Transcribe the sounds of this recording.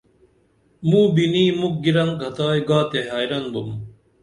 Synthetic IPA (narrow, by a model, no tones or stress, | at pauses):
mũːbiniːmuk̚ɡiɾɐŋɡʱɐt̪aːjɡaːt̪eɦaːjɾɐnbum